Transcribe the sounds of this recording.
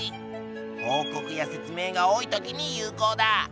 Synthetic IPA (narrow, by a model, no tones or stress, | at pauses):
hoːko̞kɯ̟jase̞t͡sɨme̞ːɡao̞ːit̪o̞kʲiɲ̟ijɯːko̞ːd̪a